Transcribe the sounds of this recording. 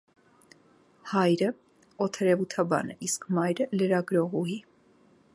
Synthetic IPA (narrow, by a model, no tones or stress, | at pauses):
hɑjɾə | ɔt̪ʰɛɾɛvut̪ʰɑbɑ̰nəʔiskʰmɑjɾələɾɑɡɾɔʁuɦi